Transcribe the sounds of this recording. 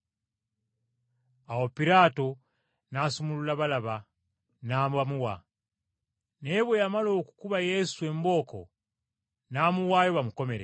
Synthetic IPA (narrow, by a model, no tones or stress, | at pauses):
awo̞piɾaːto̞ | nasumululaβalaβa | naːmuβamuwa̰ | ne̞βwo̞jamalo̞ːku̥kuβaje̞sue̞mbo̞ːko̞̰ | namuwaːjo̞βamuko̞me̞ɾḛ